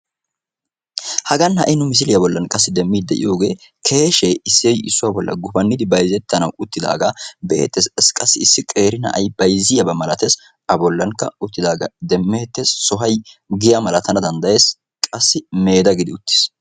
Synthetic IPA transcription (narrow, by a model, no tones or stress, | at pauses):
hɐɡɐnhɐʔɪnʊmɪs̬ɪlɪjɐbɔlːɐnkʼɐsːɪd̪ɛmːiːd̪̚d̪ɛʔɪ̰jo̞ːɡe̞ː | kʰe̞ːʃeɪsːɪjɪsːʊwaːbɔlːɐ̰ɡʊfɐnːɪd̪ɪbɐjzɛt̪ːɐnɐwʊt̪ːɪd̪a̰ːɡɐbḛːt̪ːesɛskʼɐsːɪɪsːɪkʼe̞ːɾɪnɐ̰ʔɐ̰jb̥ɐjzɪjɐbɐmɐlɐt̪es | ɐbɔlːɐŋkːɐ̰ʊt̪ːɪd̪aːɡɐ̰d̪ɛmːeːt̪ːesːɔɦɐjɡɪjɐmɐlɐt̪ɐnɐd̪ɐnd̪ɐje̞ːs | kʼɐsːɪme̞ːd̪ɐɡɪd̪ɪʊt̪ːɪ̥s